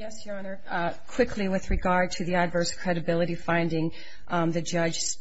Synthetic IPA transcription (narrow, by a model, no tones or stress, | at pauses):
jɛsjɑnə˞ | kʰw̥ɪkʰliwɨðɹɨɡɑɹd̚tʰɨðiɨdvɜ˞skʰɹ̥ɛɾɨbɪlˠəɾifãɪ̃ndɪ̃ŋ | ðɨd͡ʒʌ̥ʒ̥s